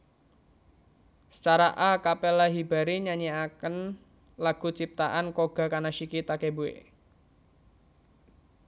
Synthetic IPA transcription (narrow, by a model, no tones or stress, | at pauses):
sə̥t͡ʃaɾaʔakapɛlaɦibaɾiɲaɲiakən | laɡ̥ṳt͡ʃip̚t̪aʔankoɡ̥a̤kanaʃikit̪akebuḛ